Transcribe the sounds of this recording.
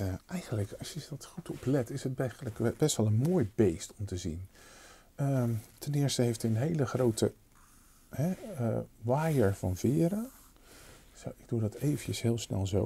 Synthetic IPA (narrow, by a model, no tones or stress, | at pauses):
ʔɛjχəndləkɑsjəsdɑtχutʰɔplɛtɪsət̚bɛləkbɛstʋɛlˠənmoːjbejstɔmtəzḭn | ətɛnɪːɹstəɦejftɛənɦejləχrowtə | ɛ | ʋaːjəɹvɑ̰nvɪːɾə | sowɪɡ̚dudɑtejvəcəsɦɪːlˠsnɛ̰lˠzo